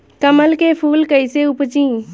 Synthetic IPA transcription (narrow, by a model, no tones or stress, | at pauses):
kəməlkepʰuːlkəɪseʊpt͡ʃĩː